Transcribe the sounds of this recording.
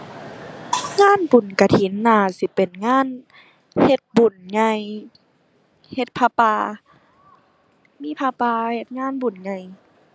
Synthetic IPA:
ŋaː˧˥˨nbu˨˩nka˧˩t̪ʰi˨˦nːaː˧˩si˧˦pe˨˩nŋaː˧˥˨n | he˧˦t̪̚bu˨˩nɲa˧j | he˧t̪̚pʰaː˧paː˧ | miː˧˥˨pʰaː˧paː˧he˧t̪̚ŋaː˧˥˨nbu˨˩nɲa˧˨j

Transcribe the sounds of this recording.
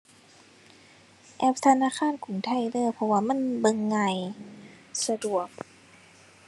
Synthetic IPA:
ʔɛ˧˥p̚t̪ʰa˧naː˧˥˨kʰaː˧˥˨nkʰu˨˩˦ŋt̪ʰa˧˥˨jdɤː˧˥˨pʰɔ˧waː˧˨ma˧˥˨nbɤ˧ŋːa˧˩j | sa˧du˨˩ək̚

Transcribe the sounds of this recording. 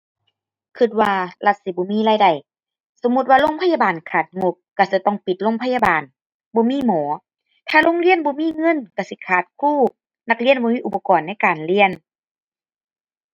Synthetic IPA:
kʰɯ˧t̪̚waː˧la˧t̪̚si˧˦bɔː˧˦miː˧˥˨laː˧˩jda˨˩j | so˧˦mu˧t̪̚waː˧lo˧˥˨ŋpʰa˧ja˧˨baː˨˩nkʰaː˨˩t̪̚ŋo˧p̚ka˧˩si˧˦t̪ɔ˧˨ŋpi˨˩t̪̚lo˧˨ŋpʰa˧ja˧baː˨˩n | bɔː˧˦miː˧˥˨mɔː˩˦ | t̪ʰaː˧˩lo˧˥˨ŋli˧˥ənbɔː˧˦miː˧˥˨ŋɤ˧˥˨nka˧˩si˧˦kʰaː˧˩t̪̚kʰuː˥˩˨ | na˧k̚li˧˥˨ənbɔː˧miː˧˥˨ʔu˨˩pa˧kɔː˨˩nːa˧˥˨jkaː˨˩nli˧˥˨ən

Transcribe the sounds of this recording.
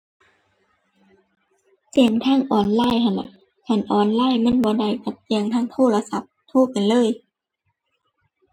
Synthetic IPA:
t͡ɕi˨˧˩əŋt̪ʰaː˧˥˨ŋʔɔː˨˩nlaː˧˥˨jhʰa˧˩nla˧˨ʔ | kʰa˧˩˨nʔɔː˨˩nlaː˧˥˨jmɯ˧˥˨nbɔː˧˦da˧˩jka˧˩p̚t͡ɕi˧əŋt̪ʰaː˥˨ŋt̪ʰoː˧˩˨la˧sa˧˦p̚t̪ʰoː˧˥˩pa˨jlɤː˧˥˨j

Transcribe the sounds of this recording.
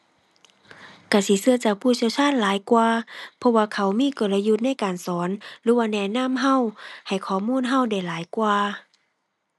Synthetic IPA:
ka˧˩si˧˦sɯ˧˩ɐt͡ɕaː˨˩k̚pʰuː˧˩sʰi˧˨wt͡ɕʰaː˧˥˨nlaː˨˦jkwaː˧pʰɔ˧waː˧kʰa˧˩wmiː˧˥˨ko˨˩la˧ju˧t̪̚na˧˥˨jkaː˨˩nsɔː˨˦nlɯː˨˦waː˧nɛː˧˩na˧˥˨mɦa˧˥˨wha˨˩jkʰɔː˨˩muː˧˥˨nɦa˧˥˨wda˧˩jlaː˨˦jkwaː˧

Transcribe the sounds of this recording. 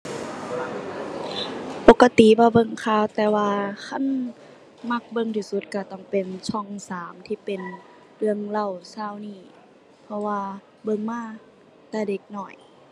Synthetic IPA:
po˧˦kːa˧t̪i˨˦bɔː˧bɤ˧˨ŋkʰaː˧˩˨wt̪ɛː˧waː˧kʰa˧˥˨n | ma˧˥k̚bɤ˧˨ŋt̪ʰiː˧˩su˧˦t̪̚ka˧˩t̪ɔ˧˩ŋpe˨nt͡ɕʰɔ˧˩˨ŋsaː˨˦mt̪ʰiː˧˩pe˨n | lɯ˧əŋla˧˩˨wsaː˧˩˨wniː˧˩ | pʰɔ˧waː˧ | bɤ˧˨ŋmaː˧˥˨ | t̪ɛː˧˩de˧˦k̚nɔː˧˩j

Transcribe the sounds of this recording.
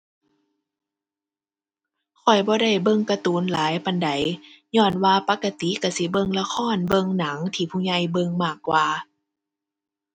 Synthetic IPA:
kʰɔ˨˩jbɔː˧˦da˧˩jbɤ˧˨ŋka˧t̪uː˨˦nlaː˨˦jpa˧˨nda˨˦j | ɲɔː˧˩˨nwaː˧pa˧˥kːa˧t̪i˨˦ka˧˩si˧˦bɤ˧˨ŋla˧xʰɔː˧˥˨nbɤ˧ŋna˨˩˦ŋt̪ʰiː˧˩pʰuː˧˨ɲa˧˩jbɤ˧ŋmaː˧˩kːwaː˧

